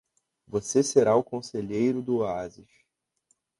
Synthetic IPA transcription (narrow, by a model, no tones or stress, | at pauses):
voseseɾaʊkõseʎejɾʊd̪ʊazɪʃ